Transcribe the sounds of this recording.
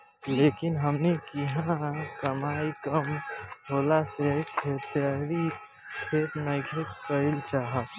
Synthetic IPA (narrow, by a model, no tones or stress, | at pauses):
leːkɪnɦəmnekiɦãkəmaːikəmoːlasekʰeːt̪aɾi | kʰeːt̪nəɪkʰet̪pəɪlt͡ʃaːɦa